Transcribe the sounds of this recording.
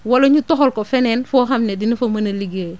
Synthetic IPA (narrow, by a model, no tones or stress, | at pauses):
walɐɲutɔɦɔlkofɛnɛnfoːɦamnedinifɐmɐnɐliɡe